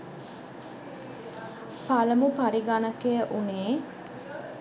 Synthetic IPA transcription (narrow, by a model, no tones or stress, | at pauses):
paləmupaɾiɡanəkejəʔuneː